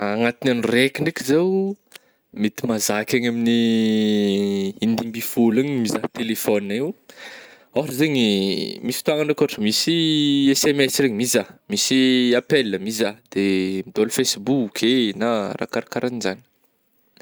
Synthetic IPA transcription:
aŋat̪inanurekʲiɳɖ͡ʐekizew | mit̪imazakʲaɲamini | ind̪imbifulaɲmizat̪elefɔniaiw | aɦaʈ͡ʂəzeŋimisi̥t̪uaŋaʈ͡ʂakoaʈ͡ʂəmisiesemɛsreɲimizamisiapelːəmizad̪̥emid̪olufejsbukʰena̰ra̰kaɾakaɾanizani̥

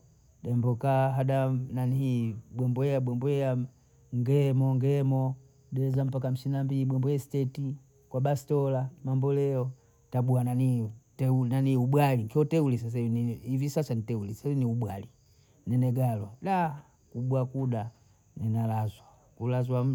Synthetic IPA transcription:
ɗɛmbɔkaɦadananihiɓwɛmbɔɛaɓwɛmbɔɛa | ŋɡɛmɔŋɡɛmɔ | ɗɛzam̩pakam̩sinambiliɓwɛmbɔjɛstɛti | kwabastɔlamambɔlɛɔ | taɓuananitɛunaniuɓwalikiɔtɛulis̬as̬ainiivisasanitɛulisainiuɓwali | nɛnɛɡalwaɗa | kuɓuakuda | nɛnalazwa | kulazwa

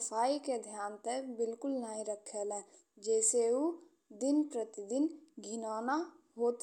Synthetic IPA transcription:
pʰaːiked̪ʱjaːnt̪əbɪlkʊlnaːɦĩɾəkʰəlɛ̃ː | d͡ʒɛːseu | d̪ɪnpɾət̪ɪd̪ɪnɡʱɪnaːna | ɦoːt̪

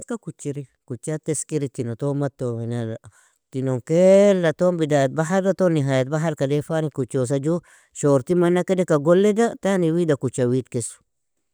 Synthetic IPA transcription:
tkakut͡ʃːiɾi | kut͡ʃːat̪ːeskiɾit̪inot̪omat̪ːomana | t̪inoŋkelːat̪ombidaːjt̪̚baɦaɾat̪oniɦaːjat̪̚baɦalkadefanikut͡ʃːos̬ad͡ʒu | ʃoɾt̪imanːakedekaɡolːedat̪aniwidakut͡ʃːawit̪kesu̥

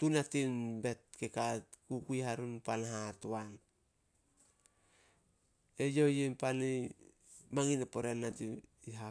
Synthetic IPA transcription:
tunatinbe̞t̚kekatkukuihaɾunpanaɦatoan | ejojempani | maŋinapoɾenatiiɦa

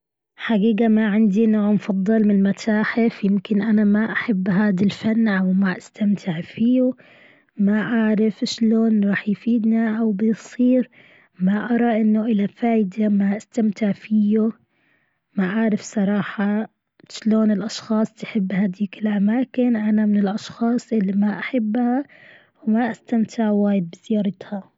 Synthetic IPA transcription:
ħaɡiːɡamaʕɪnd̪inoːʕmfɑd̪ˤːɑlmɪnlmat̪ʰaːħɪfjɪmkɪnʔanamaʔaħabːɦaːd̪alfanːʔawmaʔast̪ʰamt̪ʰɪʕfijʊ | maʔaʕɾɪfʃloːnɾˤɑːħjfiːd̪niʔawbɪjsˤiːɾ | maʔɑɾˤɑʔɪnːʊʔɪlafaːjd̪amaʔast̪amt̪ɪʕfijʊ | maʔaːɾˤɪfsˤɑɾˤɑːħa | ʃloːnɪlʔɑʃxɑːsˤt̪ħɪbːhad̪iːkɪlʔamaːkɪnʔanamɪnɪlʔɑʃxɑːsˤʔɪlːimaʔaħɪbːha | wmaʔast̪amt̪ʰɪʕwaːjɪd̪̚bɪzɪjɑːɾˤɪt̪ha

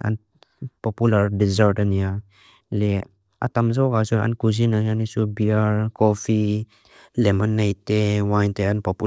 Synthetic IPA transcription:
a̰n | pɔpulardɛzaɾtania | le | ʔa̰t̪amz̬awkasua̰nkuzinajanisubiarkofi | lemɔnːajt̪ewajnt̪eanpɔpu

